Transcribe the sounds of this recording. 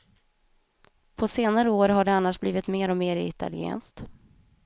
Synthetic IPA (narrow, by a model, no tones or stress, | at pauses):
pʰɔseːnaɾəoːɾɦaɖɛanːaʂbliːvɪt̪meːɾɔmeːɾɪ̰t̪ʰa̰lɪḛːnst̪